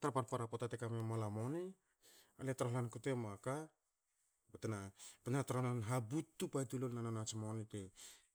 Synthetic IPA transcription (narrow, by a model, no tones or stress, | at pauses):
taɾapaɾpaɾapotatekamemalamoni | aletaɾoɦlankutemaka | betenapenataɾohlanɦabutːupajtulolnananat͡ʃimonite